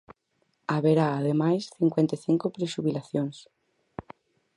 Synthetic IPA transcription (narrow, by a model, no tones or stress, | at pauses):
aβeɾaːðemajsθiŋkwent̪eθiŋkopɾeʃuβilaθjoŋs